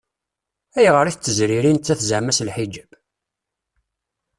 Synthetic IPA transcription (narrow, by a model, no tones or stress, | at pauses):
æjʁəɾiθət͡sːəzɾiɾint̪ːæθzəʕmæslħid͡ʒəb